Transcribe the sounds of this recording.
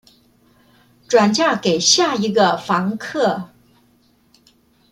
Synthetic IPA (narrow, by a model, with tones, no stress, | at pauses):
ʈ͡ʂwa˨˩nt͡ɕja˥˩ke˨˩ɪɕja˥˩i˧˥ɡə˧fɑ˧˥ŋkʰɤ˥˩